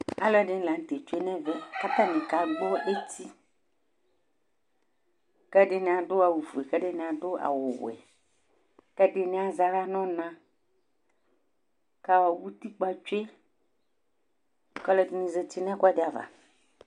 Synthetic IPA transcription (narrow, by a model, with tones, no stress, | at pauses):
a̰˨lɔ˦ɖɪ˨˦n̩˦la˨n̩˦˨t̪e˨t͡ʃe˦nɛ̃˦vɛ˦ka˦t̪ã˦nɪ̃˨ka˨ɡ͡bɔ˦ʔe˦ti˦ | kɛ˦ɖɪ˦nɪ̃˨a˨dʊ˦a˨wu˨fu˨e˨kɛ˦ɖɪ˦nɪ̃˨a˨dʊ˦a̰˨wʊ˨w̰ɛ̰˨ | kɛ˦dɪ˦nɪ̃˦a˨za˨ɾa˦nɔ̃˦nã˦ | ka˦wa˨wu˦t̪i˦k͡pa˦t͡ʃu˦e˦ | kɔ˦lɔ˦tnĩ˨ze˦ti˦nɛ̃˦ka˦dɪ˨a˨va̰˨